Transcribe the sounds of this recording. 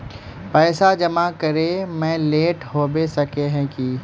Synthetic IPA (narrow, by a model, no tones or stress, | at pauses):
pɛːsad͡ʒɐmakɐɾemɛ̃ːleːʈɦoːbesɐkeɦɛ̃ki